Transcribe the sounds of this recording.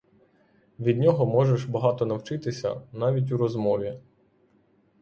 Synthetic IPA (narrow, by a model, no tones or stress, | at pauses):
ʋʲid̪ʲnʲɔɦɔmɔʒeʃbɐɦɑt̪ɔnɐwt͡ʃɪt̪ɪsʲɐ̰nɑʋʲit̬ʲuɾɔzmɔʋʲi